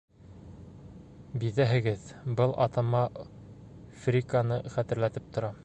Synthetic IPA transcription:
biðæɦɘ̆ɡɘðbɤlˠʔɑ̰t̪ɑmɑ | frʲikanɤχæt̪ɘ̆ɾlæt̪ɘp̚t̪ŏɾɑ

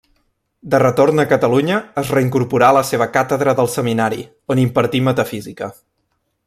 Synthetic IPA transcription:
d̪ərət̪ornəkət̪əluɲəːzrəiŋkuɾpuɾaləseβ̞əkat̪əðɾəðəlˠsəminaɾḭ | onimpəɾt̪imət̪əfizikə

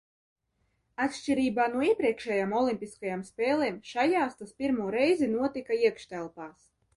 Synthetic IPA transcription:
at̪ʃʲt͡ʃiɾiːbaːnuɔiɛpɾiɛkʃɛːjaːmɔlˠimʲpʲiskajamspʲɛːlˠɛːmʃajaːst̪aspʲiɾmuːɾɛjzinuɔt̪ikaiɛkʃt̪ɛlˠpaːs

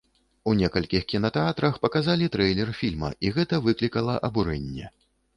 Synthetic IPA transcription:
unʲɛkɐlʲkʲixkʲinɐt̪ɛat̪ɾɐxpɐkazalʲit̪ɾɛjlʲɛrfʲilʲmɐ̰ʔiɣɛt̪ɐvɨklʲikɐlˠɐʔɐbuɾɛnʲːɛ̰

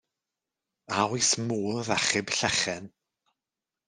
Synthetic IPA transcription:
awismuːlðaχɪbɬɛχɛn

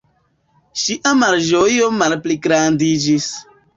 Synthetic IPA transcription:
ʃiʔamaɾd͡ʒojomalpliɡɾandid͡ʒis

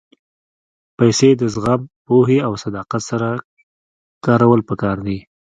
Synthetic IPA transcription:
pajsed̪əzɣampoɦeawsad̪ɑqat̪saɾa | kɑɾawəlpəkɑɾd̪i

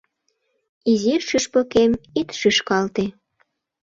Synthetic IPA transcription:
iziʃyʃpokemit̪ʃyʃkɑlt̪e

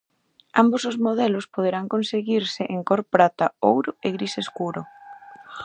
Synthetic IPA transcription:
ambosozmoð̞ɛlʊspoð̞eɾaŋkonseɣiɾsɪʔeŋkoɾpɾat̪aowɾʊeɣɾiseskuɾʊ

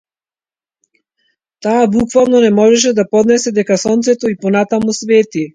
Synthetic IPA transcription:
t̪aːbukvalˠnɔnɛmɔʒɛʃ̬ɛd̪apɔd̪nɛsɛd̪ɛkasɔnt̪sɛt̪ɔipɔnat̪amusvɛt̪i

